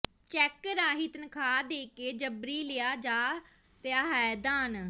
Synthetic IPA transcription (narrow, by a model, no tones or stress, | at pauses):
t͡ʃɛkɾaːɦiːt̪ənkʰaːd̪eːkeːd͡ʒəbɾiːlɪjaːd͡ʒaː | t̪eaːɦɛːd̪aːn